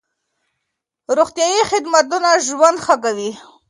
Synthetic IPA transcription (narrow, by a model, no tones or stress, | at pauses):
ɾoxt̪jɑjixɪd̪mat̪unaʒwand̪xakawi